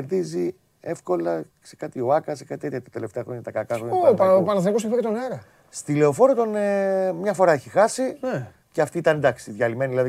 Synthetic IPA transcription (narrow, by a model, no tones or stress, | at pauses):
eɾðizi | e̞fko̞lɐ | se̥kɐt̪io̞ɐkɐsekɐt̪it̪et̪çɐt̪ɐt̪e̞le̞ft̪eɐxɾoɲɐt̪ɐkɐkɐxɾoɲɐoppɐnɐθnikos̬efoket̪onɐɾɐ | st̪ile̞o̞fo̞ɾot̪o̞nmɲɐfo̞ɾɐeçixɐsine | ceɐft̪iit̪ɐnd̪ɐksiðʝɐlime̞niðilɐði